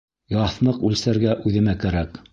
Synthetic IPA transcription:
jɑθnɤqʉlsæɾɡæʔʉðɘ̆mækæɾæk

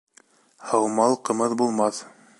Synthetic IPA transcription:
hɑwmɑlˠqɤ̆mɤðbulˠmɑθ

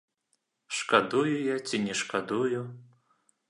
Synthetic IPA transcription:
ʂkad̪ujujat͡sʲinʲɛʂkad̪uju

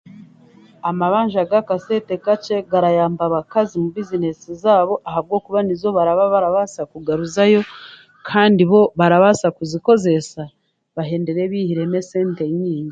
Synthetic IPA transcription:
amaβaːɲʒaɡakase̞te̞kat͡ʃe̞ɡaɾajaːmbaβakazimuβizine̞sizaːβo̞ʔaɦaβɡo̞ːkuβanizo̞βaɾaβaβaɾaβasakuɡaɾuzajo̞ | kʰaːndiβo̞βaɾaβasakuziko̞ze̞sa | βaɦe̞ːndeɾe̞βihiɾe̞me̞se̞ːnte̞ɲiːɲɡi

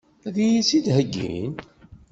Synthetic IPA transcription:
æðijisid̪ɦəɡːḭn

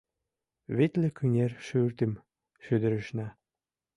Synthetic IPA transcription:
βet̪ʲlĕkʰynʲerʃyrt̪ɘ̆m | ʃød̪ɘ̆ɾɘ̆ʃnɑ

